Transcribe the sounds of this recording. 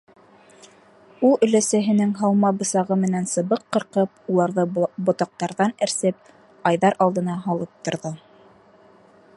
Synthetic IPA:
ulˠɵ̆læsæɦɘ̆nɘŋɦɑlˠmɑbɤ̆sɑʁɤmɘ̆nænsɤ̆βɤqːɤ̆ɾqɤp̚ulˠɑɾðɤbŏt̪ɑq̚t̪ɑɾðɑnɘ̆ɾsɘp̚ | ɑjðɑɾʔɑlˠd̪ɤ̆nɑɦɑlˠɤp̚t̪ŏɾðɤ

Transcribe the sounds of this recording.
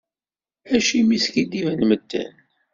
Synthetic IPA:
æʃimiskid̪ivænməd̪ːæ̰n

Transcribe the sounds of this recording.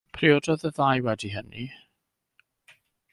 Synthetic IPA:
pʰriɔdɔðəðaːjwɛdiɦənḭ

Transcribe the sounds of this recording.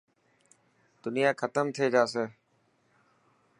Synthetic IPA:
d̪ʊnɪjaːkʰət̪əmt̪ʰeːd͡ʒaːseː

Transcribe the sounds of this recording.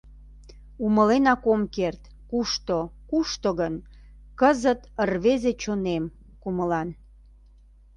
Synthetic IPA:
uməlenɑkomkert̪ | kuʃt̪okuʃt̪oɣən | kəzət̪ərβezet͡ɕonem | kuməlɑn

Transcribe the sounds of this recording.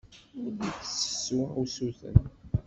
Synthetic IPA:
ʊɾðiθə̥sə̥sːuusuθə̰n

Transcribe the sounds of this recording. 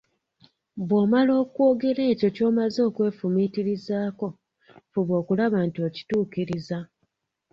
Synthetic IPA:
bwo̞ːmalo̞ːkwo̞ːɡe̞ɾe̞ːco̞co̞ːmazo̞ːkwe̞ːfumiːtiɾizaːko̞ | fuβo̞ːkulaβantoci̥tuːkiɾiza

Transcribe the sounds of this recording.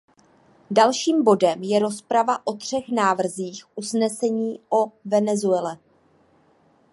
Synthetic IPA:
dalʃiːmbo̞dɛmjɛɾo̞spɾavaʔo̞t̪r̝̥ɛxnaːvr̩ziːxʔusnɛsɛɲiːʔo̞vɛnɛzuɛlɛ

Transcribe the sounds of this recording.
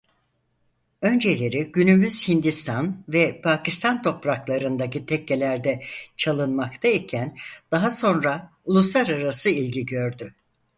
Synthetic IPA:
ø̞nd͡ʒe̞lʲe̞ɾiɟynymyz̥hind̪ist̪ʰanvɛpʰacist̪ʰant̪ʰo̞pɾaklˠaɾɯnd̪acit̪ʰɛcːe̞lʲæɾd̪ɛt͡ʃʰalˠɯnmakt̪ʰaicʰænd̪̥aɦaso̞nɾa | ulˠuslˠaɾaɾasɯilʲɟiɟø̞ɾd̪y

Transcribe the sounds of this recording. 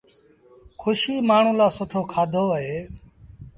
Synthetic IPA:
kʰʊʃiːmaːɳ̤ũːlaːsʊʈʰoːkʰaːd̪ʱoːɦeː

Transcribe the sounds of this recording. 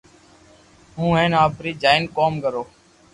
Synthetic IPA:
ɦũːɦẽːnaːpɾiːd͡ʒaːɪnkoːmkəɾoː

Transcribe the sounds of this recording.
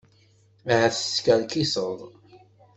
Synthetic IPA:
hæθə̥skælkisəðˤ

